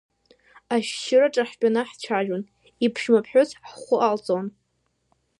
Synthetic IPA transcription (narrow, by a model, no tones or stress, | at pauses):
aʃʃɪraʈ͡ʂʼaħpʲʷʼanɨħt͡ʃʷʰaʒʊn | ipʰʃmapʰħʷᶣʊsħχʷʊʔalt͡sʼon